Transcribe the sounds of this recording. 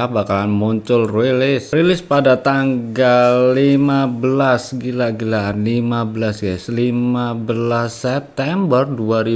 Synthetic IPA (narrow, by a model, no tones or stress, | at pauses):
abakalanmuɲt͡ʃʊlrelɪsrilɪspadat̪aŋɡalːimabəlasɡilaɡilaːnlimabəlasɡajslimmabəlasɛp̚t̪ɛmbərduaɾi